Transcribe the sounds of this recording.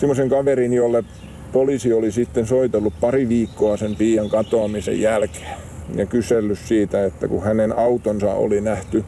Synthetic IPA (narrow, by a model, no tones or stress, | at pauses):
simːˑoseŋkɑʋerinjolːe | polisiolisit̪ːensoit̪elːuppɑriʋiːkːoɑsempiːjɑŋkɑt̪oɑmisḛjjælke̥ː | jɑkyselːyssiːt̪æet̪ːæ̰kuhænenɑut̪onsɑ̰o̰linæht̪y